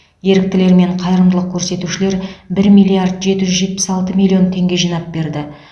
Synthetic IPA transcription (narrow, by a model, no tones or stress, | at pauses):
je̞ɾɪk̚t̪ɪle̞ɾme̞ɴqʰɑjɾəmd̪əlˠəq̚kʲʰɵɾse̞t̪uʃɪle̞ɾbɪɾmijlʲijard̪ʒe̞t̪ɪʒʏzʒe̞t̪̚pɪ̥sɑlˠt̪əmʲilʲːio̞nt̪ʰe̞ŋɡʲe̞ʒijnɑp̚be̞ɾd̪ɪ